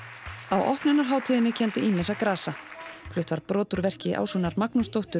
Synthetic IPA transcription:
awʔɔ̰hpnʏnːaɾ̥ɦaːwt̪ʰiːðɪnːɪcʰɛnt̪ɪʔiːmɪsakɾaːsakʰlʏht̪vaɾpɾɔːt̪ʏɾvɛr̥cɪʔa̰ːwsuːnaɾmaknʊst̪owht̪ʏ

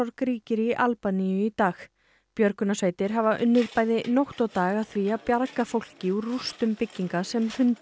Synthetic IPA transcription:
ɔɾkɾiːcɪɾiʔalpanijʏit̪aːx | pjœɾkʏnasveːjt̪ɪɾ̥ɦavaʔʏnːʏðpaːjðɪnoht̪awt̪aːɣaðθviaðpjaɾkafowl̥cɪurust̪ʏmpɪcːiŋkasɛmhʏnt̪

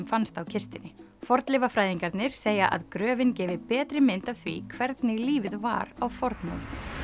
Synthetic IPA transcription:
mfanst̪awcʰɪst̪ɪnɪ | fɔɾt̪lɪvafɾaːjðiŋkaɾt̪nɪɾ̥seːjaʔa̰ðkɾœːvɪncɛːvɪpɛːt̪ɾɪmɪnt̪awθvḭkʰvɛɾt̪nɪɣliːvɪðva̰ɾawfɔɾt̪nɔ̰l

